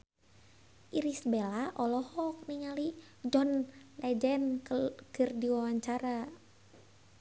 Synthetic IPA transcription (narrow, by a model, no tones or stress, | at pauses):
ʔiɾisbelaʔɔlɔhɔk̚niŋali | d͡ʒɔnlɛd͡ʒɛnkɨrdiwawaɲt͡ʃaɾa